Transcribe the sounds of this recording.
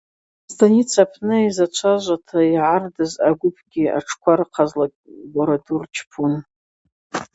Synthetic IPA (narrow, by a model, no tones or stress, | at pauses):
stʰʼanit͡sʰapʰnɨizat͡ʃʷʰaʒʷatʰaiʕardɨzaɡʷʊpʰɡʲia̰ʈ͡ʂʰkʷʰaɾqʰazla | boɾadurt͡ʃʰpʰun